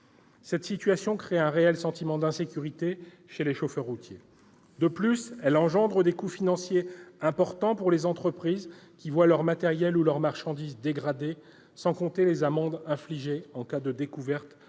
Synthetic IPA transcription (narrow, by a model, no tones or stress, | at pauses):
sɛt̪sit̪ɥasjɔ̃kχeɛ̃ʁeɛlsɑ̃t̪imɑ̃d̪ɛ̃sekʲyʁit̪e | ʃeleʃofœʁːut̪je | d̪əplysɛlɑ̃ʒɑ̃d̪ʁəd̪ekufinɑ̃sjeɛ̃pɔʁt̪ɑ̃puʁlezɑ̃t̪χəpχizkʲivwalœʁmat̪ɛʁjɛlulœʁmaʁʃɑ̃d̪izd̪eɡʁad̪e | sɑ̃kɔ̃t̪elezamɑ̃d̪ɛ̃fliʒeɑ̃kad̪əd̪ekuvɛʁt̪